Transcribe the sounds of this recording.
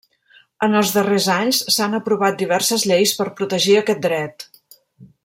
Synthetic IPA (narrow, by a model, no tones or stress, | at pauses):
ənəlˠzðərezaɲssanəpɾuβat̪̚d̪iβɛrsəzʎejspəɾpɾut̪əʒiəkɛt̪̚d̪ɾɛt̪